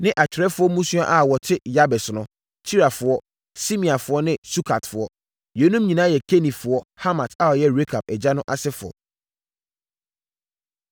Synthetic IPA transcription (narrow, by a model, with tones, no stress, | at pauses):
nɪ̃˦ʔa˨t͡ɕʰɪ˨ɾɛ˦fʊ˦ɔ˦mũ˦sũ˦a˦ʔa˨wɔ˨tʰɪ˦ja˦bɛ˨sʊ˨nʊ̃˦ | tʰi˦ɾa˨fʊ˨ɔ˦ | si˦mĩ˨a˨fʊ˨˦ɔ˦nɪ̃˦su˦kʰa˨tfʊ˨ɔ˦ | jɛ˨˦nũ˦mɲĩ˨nã˦jɛ˨kʰe˦nĩ˨fʊ˨ɔ˦ha˦mã˨tʰa˦ɔ˨jɛ˦ɾe˦kʰa˨b̚ɛ˨d͡ʑa˦nʊ̃˦ʔa˦sɛ˦fʊ̰˨ɔ̰˨